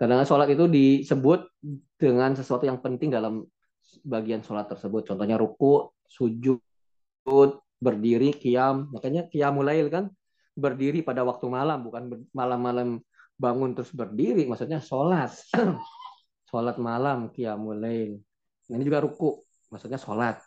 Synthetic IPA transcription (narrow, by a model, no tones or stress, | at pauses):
kadaŋasolat̪it̪udisəbʊt̪̚d̥əŋansəsuat̪ujaŋpənt̪ɪŋdalam | baɡiansolat̪ːərsəbʊt̪̚t͡ʃɔnt̪ɔhɲaɾukʊʔ | sud͡ʒʊ | ʊt̪̚ | bərdiɾikiamːakaɲakiamulaɪlkan | bərdiɾipadawak̚t̪umalambukanbmalamːalam | baŋʊnt̪əɾʊsbərdiɾimaksut̪̚ɲasolat̪̚ | solat̪̚malamkiamulaɪl | nainid͡ʒuɡaɾukʊʔ | maksut̪̚ɲasolat̪̚